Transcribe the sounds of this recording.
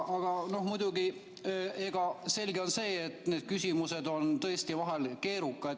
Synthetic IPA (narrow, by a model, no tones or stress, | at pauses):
ɑɡ̥ɑno̞hmujd̪̥uɡi | e̞ɡ̥ɑse̞lʲɡeo̞nse̞ːet̪ːˑneːd̪̥̚kysʲimuse̞d̪o̞nt̪ɤ̞est̪ivɑɦelke̞ːɾukːˑɑd̪